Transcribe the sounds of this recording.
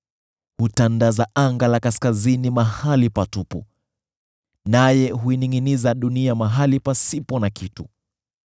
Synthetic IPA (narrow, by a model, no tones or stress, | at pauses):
hutandazaʔaŋɡalakaskazinimahalipatupṵ | najɛɦuiniŋɡinizaɗuniamaɦalipasipɔnakitu